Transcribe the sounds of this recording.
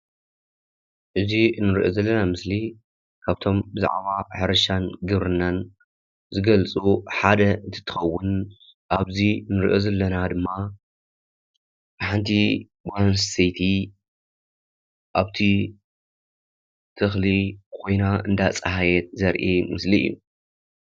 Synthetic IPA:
ʔɨzinɨɾʔozɐlːɐnamɨsli | kʰaβt̪ʰo̞mbɨza̰ʕβaħɨɾɐʃanɡɨβɾɨnːan | zɨɡɐlt͡sʼuħad̪ɐɨnt̪ʰɨ̥t̪ʰɨ̥xɐwːʊn | ʔaβzinɨɾʔozɐlːɐnad̪ɨmːa | ħɨnt̪ʰi | ɡanssijt̪ʰi | ʔaβt̪ʰi | t̪ʰɨxlikʰo̞jnaɨ̰nd̪at͡sʼɨhajɛt̪̚zɐɾʔimɨsliɨ̰jːṵ

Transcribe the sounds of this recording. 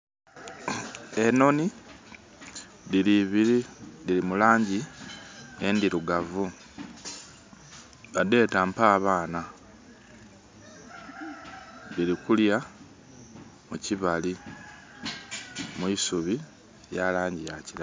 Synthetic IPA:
e̞no̞ni | diiβiɾidiɾimulaːɲɟi | endiɾuɡavu | βade̞ːtampaːβaːna | liɾikulja | muciβali | muisuβi | jalaːɲɟijaciɾa

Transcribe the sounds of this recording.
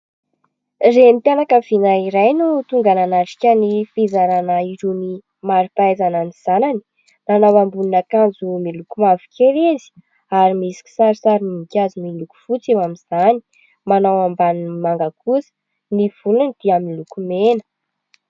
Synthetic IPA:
remt̪ianakəv̥inaiɾajnut̪uŋɡananaʈ͡ʂi̥kʲənifizaɾanaiɾuni | maɾipaazananiz̥anani̥ | nanawambuninakand͡zumilukumavi̥kʰʲelezi̥ | aɾimisi̥kʲi̥saɾisaɾiniikʲazimiluku̥fut͡sewamiz̥ani | manawambanimaŋɡakʰusə̥ | niv̥ulunid̪̥iaminlukumenə̥

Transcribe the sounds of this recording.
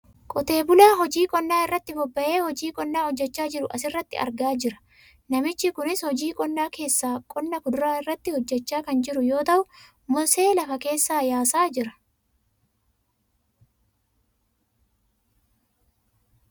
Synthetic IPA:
kʼɔt̪e̞ːbʊlaːɦɔd͡ʒiːkʼɔnːaːɪrːɐt̪ːɪbɔbːɐʔeːhɔd͡ʒiːkʼɔnːaːhɔd͡ʒːɛt͡ʃːaːd͡ʒɪɾʊʔɐsɪrːɐt̪ːɪ̰ɐ̰ɾɡaːd͡ʒɪɾɐ̥ | nɐmɪt͡ʃːɪkʊnɪshɔd͡ʒiːkʼɔnːaːke̞ːsːaːkʼɔnːɐkʊd̪ʊɾaːɪrːɐt̪ːɪhɔd͡ʒːɛt͡ʃːaːkɐnd͡ʒɪɾʊjo̞ːt̪ɐʔʊ | mʊse̞ːlɐfɐke̞ːsːaːjaːsaːd͡ʒɪɾɐ̥

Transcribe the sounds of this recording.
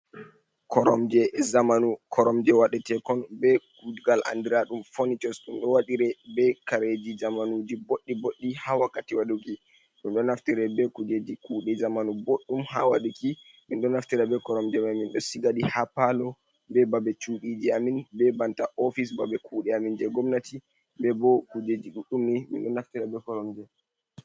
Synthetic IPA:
kɔɾɔmd͡ʒɛzamanukʰɔɾɔmd͡ʒɛwaɗɛtɛkɔnbɛkud͡ʒɡalʔa̰ndiɾaɗumfonit͡ʃɔsɗumɗɔwaɗiɾɛbɛkaɾed͡ʒid͡ʒamanud͡ʒiboɗːiboɗːihawakːatiwaɗuki | ɗumɗɔnaftiɾɛbɛkud͡ʒed͡ʒikuːɗɛzamanuboɗːumha̰waɗuki | minɗɔnaftiɾɛbɛkɔɾɔmd͡ʒɛmaminɗɔsiɡaɗihapalɔ | bɛbabɛt͡ʃuɗid͡ʒiaminbɛbantaʔɔfis̬babɛkuːɗɛamind͡ʒɛɡɔmnati | bɛbɔkud͡ʒed͡ʒiɗuɗumnimḭnɗɔnaftiɾɛbɛkɔɾɔmd͡ʒɛ

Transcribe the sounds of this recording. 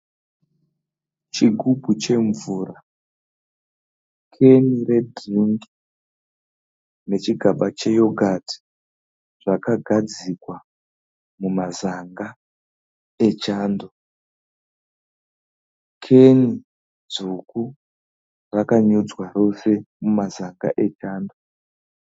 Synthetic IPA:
t͡ʃiɡʱubʱut͡ʃe̞ɱvuːra | kʰe̞nire̞dʱriŋɡi̥ | ne̞t͡ʃiɡʱaɓat͡ʃe̞jo̞ɡʱatʰi̥ | ʐakaɡʱad͡zikwa | mumazaŋɡa | e̞t͡ʃaːndo | kʰe̞ni | d͡zuku | rakaɲud͡zwaro̞se̞mumazaŋɡa̰ʔe̞t͡ʃaːndo

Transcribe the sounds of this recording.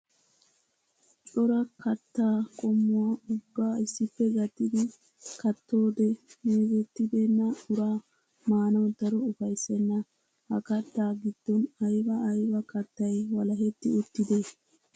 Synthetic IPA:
tʼɔɾɐkɐt̪ːaːkʼɔmːʊwaʊbːaːɪsːɪpːɛɡɐt̪ːɪd̪ɪ | kɐt̪ːo̞ːd̪ɛneɡɛt̪ːɪd̪enːɐʔʊɾaː | maːnɐwd̪ɐɾɔʊfɐjsɛnːɐ | hɐkɐt̪ːaːɡɪd̪̥ːɔnɐjbɐɐjbɐkɐt̪ːɐjwɐlɐɦɛt̪ːɪʊt̪ːɪd̪eː

